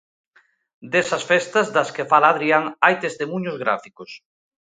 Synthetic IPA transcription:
d̪esɐsfest̪ɐzðɐskefalaːðɾiaŋajt̪est̪emũɲozɣɾa̰fikos

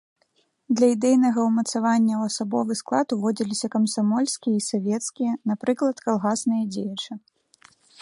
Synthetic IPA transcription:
d̪lʲɐid̪ɛjnɐɣɐwmɐt̪savanʲːɐwɐsabɔvɨsklˠat̪uvɔd͡zʲilʲisʲɐkɐmsamɔlʲsʲkʲijɐisavʲɛt̪skʲijɐnapɾɨklˠɐt̪kalˠɣasnɨjɐd͡zʲejɐt͡ʂɨ

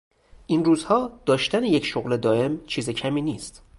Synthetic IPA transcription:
ʔinruːzhɒːd̪̥ɒːʃt̪ænejecʃoɣled̪ɒːe̞mt͡ʃʰiːzecʰæmiːniːst̪

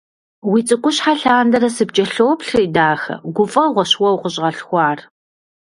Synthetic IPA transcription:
wit͡sʼɨkʷʼʊɕħaɬaːndɐɾɐsɨbd͡ʒɐɬoːpɬriːdaːxɐ̰ɡʷʊfʼɐʁʷɔɕwɐwqəɕʼʁɐɬxʷɑːr

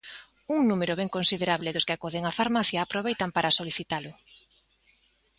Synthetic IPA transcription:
uŋnumeɾʊβeŋkonsiðeɾaβlɪðʊskɪakoðeŋafaɾmaθjaːpɾoβejt̪ampaɾʔasoliθit̪alʊ

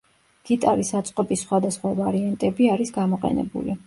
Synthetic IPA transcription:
ɡ̥it̪ʼaɾisat̪sʼqʼɔpʼisχwad̪asχwavaɾiant̪ʼɛbiaɾisɡamɔqʼɛ̰nɛ̰bṵli

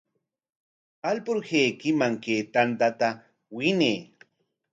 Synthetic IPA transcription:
alpʊɾheːkɪmaŋkeːt̪ant̪at̪a | wɪneː

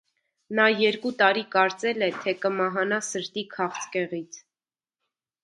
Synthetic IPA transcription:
nɑjɛɾkut̪ɑɾikɑɾt͡sɛlɛt̪ʰɛkəmɑɦɑnɑsəɾt̪ikʰɑχt͡sʰkɛʁit͡sʰ

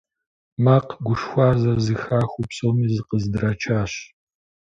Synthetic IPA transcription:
maːqɡʷʊʂxʷɑːzɐrzɨxaːxʷʊpsoːmiːzɨqəzdɨraːt͡ʃʰaːɕ

